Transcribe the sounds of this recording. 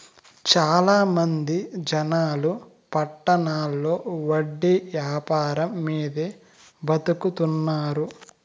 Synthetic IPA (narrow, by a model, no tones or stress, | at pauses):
t͡ʃaːlaːmɐnd̪id͡ʒɐnaːlu | pɐʈːɐnaːlːo̞ːʋɐɖːiʋjaːpaːɾɐmːiːd̪e | bɐt̪ukut̪unːaːɾu